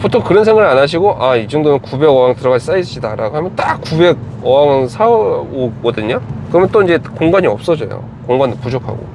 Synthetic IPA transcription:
potʰoŋkɯɾʌnsʰeŋɡɯɾɭanaɕ̬ʰiɡoʔaid͡ʑʌŋdonɯnkube̞ɡʌwaŋtɯɾʌɡad͡ʑis͈aiɕ͈ʰidaɾaɡoɦamjʌnt͈ak͈ube̞ɡ̚ | ʌaŋsʰaokʌdɯɲakɯɾʌmjʌnt͈oiɲd͡ʑe̞koŋɡaɲiʌp̚s͈ʌd͡ʑʌ̰jo̰ | koŋɡandopud͡ʑokʰa̰ɡo̰

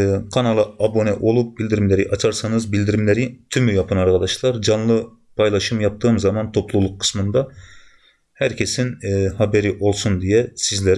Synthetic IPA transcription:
kʰanalˠɯabo̞nɛʔo̞lˠup̚bilʲd̪iɾimlʲeɾiʔat͡ʃʰaɾsanɯzbilʲd̪iɾimlʲeɾit̪ʰymyjapʰɯnaɾkad̪aʃlˠaɾd͡ʒanlˠɯ | pʰajlˠaʃɯmjap̚t̪ʰɯːmzamant̪ʰo̞plˠulˠukʰːɯ̥smɯnd̪a | hæɾcʰe̞sinːhabeɾiʔo̞lˠsund̪ijɛsizlʲeɾ

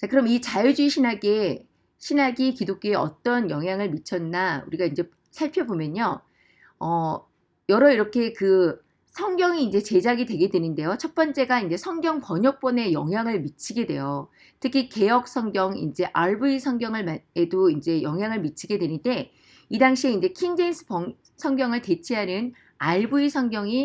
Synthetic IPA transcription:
t͡ɕakɯɾʌmit͡ɕajud͡ʑuiɕʰinaɡe | ɕʰinaɡikidok̚k͈ieʌ̰t͈ʌnjʌŋɦjaŋɯɭmit͡ɕʰʌnːaṵɾiɡaind͡ʑe̞ | sʰaɭpʰjʌbomjʌɲo | ʌ | jʌɾʌiɾʌkʰe̞kɯ | sʰʌŋɡjʌŋiːnd͡ʑe̞t͡ɕe̞d͡ʑaɡidwe̞ɡe̞dwe̞nɯnde̞jot͡ɕʰʌt̚p͈ʌnt͡ɕ͈e̞ɡaind͡ʑe̞sʰʌŋɡjʌŋpʌɲʌk̚p͈ʌne̞jʌŋɦjaŋɯɭmit͡ɕʰiɡe̞dwe̞̰jo | tʰɯkʰike̞jʌk̚s͈ʰʌŋɡjʌŋḭnd͡ʑe̞ʔaɭbuisʰʌŋɡjʌŋɯɭmae̞doind͡ʑe̞jʌŋɦjaŋɯɭmit͡ɕʰiɡe̞dwe̞nɯnde̞ | idaŋɕʰieind͡ʑe̞kʰiŋd͡ʑeinsʰɯ̥pʌŋ | sʰʌŋɡjʌŋɯɭte̞t͡ɕʰiɦanɯn | aɭbuisʰʌŋɡjʌŋi

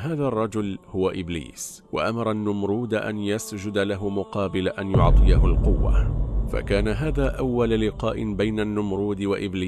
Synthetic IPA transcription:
ɦaːðarˤːɑd͡ʒʊlhʊwaʔɪblḭːs | wa̰ʔamɑɾˤɑnːʊmɾuːd̪aʔa̰njasd͡ʒʊd̪alaɦʊmʊqɑːbɪlaʔanjʊʕt̪ˤɨjaɦʊlqʊwːa̰fa̰kaːnaɦaːðaːʔawːallɪqɑːʔɪbajnanːʊmɾˤuːd̪waʔɪbliː

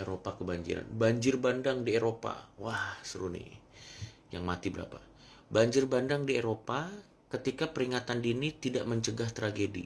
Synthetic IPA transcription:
eɾopakəbaɲd͡ʒḭɾa̰nbaɲd͡ʒɪrbandaŋdieɾopa̰wahsəɾunḭ | jaŋmat̪ibəɾa̰pa | baɲd͡ʒɪrbandaŋdieɾopa | kət̪ikapəɾiŋat̪andinit̪idaʔməɲt͡ʃəɡaht̪ɾaɡedḭ

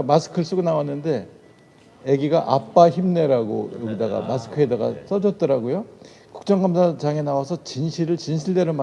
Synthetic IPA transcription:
masʰɯ̥kʰɯɭs͈uɡɯnawanːɯnde̞ | eɡiɡaʔap͈açimne̞ɾaɡo̰jʌɡidaɡa̰masʰɯ̥kʰɯedaɡa̰s͈ʌd͡ʑʌt̚t͈ʌɾaɡojo | ku̥k̚t͡ɕ͈ʌŋɡamsʰat͡ɕaŋe̞nawasʰʌt͡ɕinɕʰiɾɯɭt͡ɕinɕʰiɭde̞ɾɯma

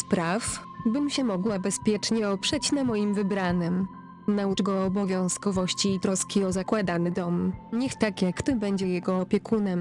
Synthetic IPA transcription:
spɾaf | bɘmɕɛmɔɡwabɛspʲjɛt͡ʂɲɛɔpʂɛt͡ɕnamɔjimvɘbɾanɛm | naut͡ʂɡɔːbɔvʲjɔ̃w̃skɔvɔɕt͡ɕiːt̪ɾɔskʲiɔzakwad̪anɘd̪ɔmɲɛxt̪akʲjakːt̪ɔbɛɲd͡ʑɛjɛɡɔːpʲjɛkunɛm

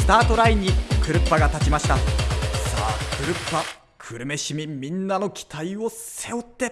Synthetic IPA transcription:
sɨ̥t̪aːt̪o̞ɾaiɲ̟ːikɯ̟ɾɯ̟pːaɡat̪at͡ɕimaɕi̥t̪asa̰ːkʰɯ̟ɾɯ̟pːa | kʰɯ̟ɾɯ̟me̞ɕimʲimʲĩnːano̞kʲi̥t̪ʰaio̞se̞o̞t̪ːe̞

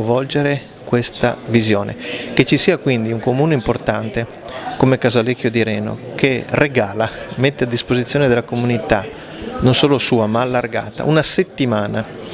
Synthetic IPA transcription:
vɔld͡ʒeɾe | kwest̪a̰vizjo̰ːnʔḛket͡ʃːisiːakwind̪iuŋkomuːneimport̪ant̪e | komekazalekːjod̪iɾɛːno̰kʰereɡaːlamet̪ːead̪ːispozit̪sːjoːned̪elakomunit̪a | nonsoːlosuːamaːlːarɡa̰ːt̪a̰unaset̪ːimaːna

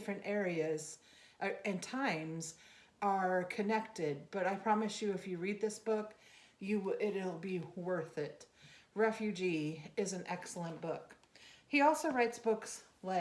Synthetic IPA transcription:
fɹɨ̃ntɛɹiɨz | ʔɨ̃ntʰãɪ̃mz | ə˞kʰɨnɛk̚tɪd̚b̥ʌɾaɪpʰɹ̥ɑmɨsjɨɨfjɨɹid̪̚ðɪsb̥ʊk | jɨɪɾl̩ˠbiwɜ˞θɪt̚ɹɛfjʉd͡ʒiɪzɨ̃nʔɛksl̩ˠə̃nb̥ʊk | hiɔlˠsoʊɹaɪtsb̥ʊks | la

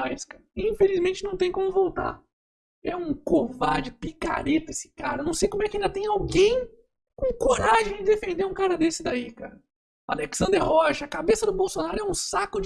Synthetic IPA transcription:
aiskaɾɐĩfelizmẽnt͡ʃɪnɐ̃w̃t̪ẽj̃kõmʊvowt̪a̰ | ɛũkovad͡ʒɪpika̰ɾet̪ʊesɪ̥kaɾɐnɐ̃w̃sejkõmʊɛkɪaĩd̪ɐt̪ẽj̃awɡẽj̃ | kõkoɾaʒẽj̃d͡ʒɪd̪efẽnd̪eɾũkaɾɐd̪esɪd̪aikaɾɐ | a̰leksɐ̃nd̪eɾhɔʃɐɐkabesɐd̪ʊbowsonaɾʊɛũsakʊ

